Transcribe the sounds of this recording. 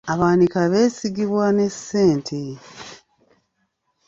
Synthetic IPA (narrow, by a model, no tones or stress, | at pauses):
aβaːnikaβe̞ːsiɡiβwane̞sːe̞ːntʰi